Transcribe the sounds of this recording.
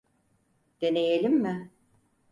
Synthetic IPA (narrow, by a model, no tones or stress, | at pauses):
d̪̥e̞ne̞jelʲimːɪ